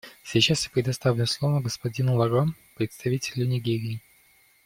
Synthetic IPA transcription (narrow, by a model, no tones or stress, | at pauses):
sʲit͡ɕasjapɾʲɪd̪ɐst̪avlʲʊmslˠovəɡəspɐdʲinʊlˠɐɾom | pɾʲɪt̪st̪ɐvʲitʲɪlʲʊnʲɪɡʲeɾʲɪː